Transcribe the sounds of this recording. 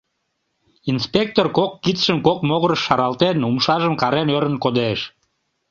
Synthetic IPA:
inspek̚t̪orkokːit͡s̪ʃəmkokmoɣəɾəʃːɑɾɑlt̪enumʃɑʒəmkɑɾenøɾənkod̪eʃ

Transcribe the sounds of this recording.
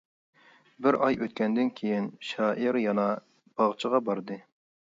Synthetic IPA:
bɪɾʔɑjʔøt̪̚kʲɛnd̪ɪnkʲʰejinʃɑːʔiɾjɑnɑ | b̥ɑʁt͡ʃʰəʁɑbɑɾd̪ɨ

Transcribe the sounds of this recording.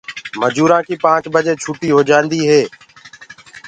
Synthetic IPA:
məd͡ʒuːɾãːkiːpãːt͡ʃɓəd͡ʒeːt͡ʃʰuːʈiːɦoːd͡ʒãːnd̪iːɦeː

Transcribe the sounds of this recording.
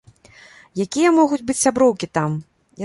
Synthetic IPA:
jakʲijɐmɔɣud͡zʲbɨt͡sʲsʲabɾɔwkʲit̪am | j

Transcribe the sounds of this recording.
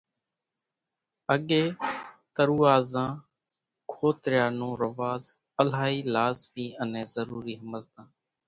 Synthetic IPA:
əɠeːt̪əɾuːaːzãː | kʰoːt̪ɾjaːnõːɾəʋaːz | əlaːiːlaːzmiːəneːzəɾuːɾiːɦəməlt̪ãː

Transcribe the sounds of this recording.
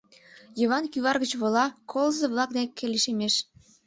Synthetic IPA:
jɤβɑnkʲyβɑrβit͡ɕβŏlɑkʰolzɤ̆βlˠɑk̚d̪ekʲːelʲeʃemeʃ

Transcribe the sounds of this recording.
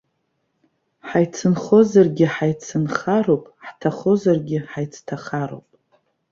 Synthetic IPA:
ħajt͡sʰɨnχo̞zarɡʲɪħajt͡sʰɨnχaɾopʼħtʰaχo̞zarɡʲɪħajt͡sʰtʰaχaɾo̰wpʼ

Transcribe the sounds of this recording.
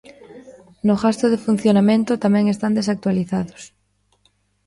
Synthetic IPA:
nʊɣast̪ʊðɪfun̟θjonamẽnt̪ʊt̪amɛ̃ŋest̪and̪esak̚t̪waliθaðʊs

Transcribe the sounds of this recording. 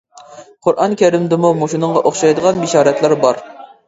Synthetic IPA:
qʰʊɾʔɑnkʲʰɛɾɪmd̪ɨmumuʃinɨɴʁɑʔoχʃɑjd̪əʁɑnbiʃɑːɾɛt̪lˠæɾbɑɾ

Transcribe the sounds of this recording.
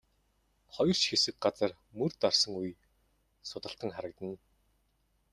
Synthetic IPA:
χɔjɞ̆r̥t͡ɕxesɘ̆k̚ɢat͡sə̆r | mɵrt̪arsə̆ŋuj | sʊt̪ə̆ɬt̪ə̆ŋχaɾə̆k̚t̪ə̆n

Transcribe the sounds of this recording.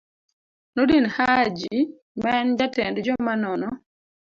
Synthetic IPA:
nodinhad͡ʒi | maɛnd͡ʒatɛndd͡ʒɔmanɔnɔ

